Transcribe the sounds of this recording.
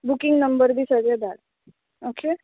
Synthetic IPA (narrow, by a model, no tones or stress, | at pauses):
bukiŋɡnəmbəɾd̪iːsəɡed̪aɽ | oke